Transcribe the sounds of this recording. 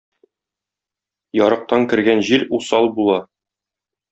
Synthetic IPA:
jɒɾɤ̆q̚t̪ɑŋkɘ̆ɾɡænʑilusɑlˠbulˠɑ

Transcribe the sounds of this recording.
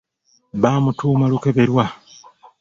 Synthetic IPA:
βaːmutʰuːmaluke̞βeɾwa

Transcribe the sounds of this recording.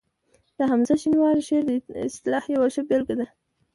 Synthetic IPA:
d̪̥əɦamzaʃinwɑɾʃeɾd̪əɪst̪ɪlɑhjawaʃəbelɡad̪a

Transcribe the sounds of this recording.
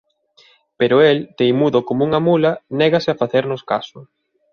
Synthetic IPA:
peɾʊelt̪ejmuðokomouŋɐmulɐnɛɣɐsɪafaθeɾnʊskasʊ

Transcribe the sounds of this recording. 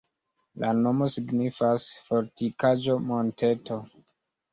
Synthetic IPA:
lano̞mo̞siɡnifasfo̞ɾtikad͡ʒo̞monte̞to̞

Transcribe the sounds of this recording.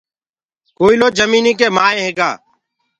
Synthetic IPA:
koːiːloːd͡ʒəmiːniːk̬eːmaːẽːɦeːɡa̰ː

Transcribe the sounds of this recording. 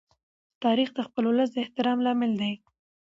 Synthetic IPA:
t̪ɑɾixd̪əxpəlwləs̬d̪əɪht̪ɪɾɑmlɑmɪld̪aj

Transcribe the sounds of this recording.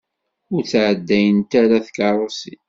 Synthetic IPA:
ʊɾt͡sʕəd̪ːæjənt̪æɾaθkɑɾˤosi

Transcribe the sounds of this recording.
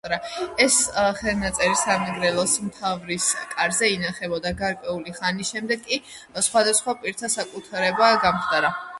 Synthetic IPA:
ɾaɛsχɛlnat̪sʼɛɾisamɛɡɾɛlˠɔsmt̪ʰavɾiskʼaɾzɛinaχɛbɔd̪aɡaɾkʼwɛuliχanisʃɛmd̪ɛɡkʼːi | sχwad̪asχwapʼiɾt̪ʰasakʼut̪ʰaɾɛbaɡamχd̪ʼaɾa

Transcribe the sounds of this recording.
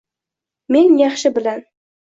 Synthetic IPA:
me̞njɑχʃɪbɪlan

